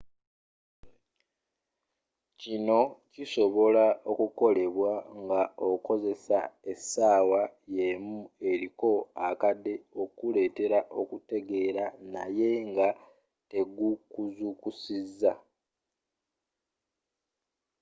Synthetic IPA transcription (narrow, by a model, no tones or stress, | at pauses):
cino̞ciso̞βo̞lao̞kuko̞le̞βwaŋɡao̞ko̞ze̞sae̞saːwajemue̞ɾiko̞akadːe̞o̞kule̞ːte̞ɾaʔo̞kute̞ɡe̞ːɾana̰je̞ŋɡa | te̞ɡukuzukusizːa